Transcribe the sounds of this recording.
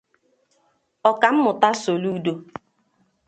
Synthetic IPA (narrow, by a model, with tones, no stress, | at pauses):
ɔ˨ka˨m̩˦mʊ˨ta˦so˨lu˦do˦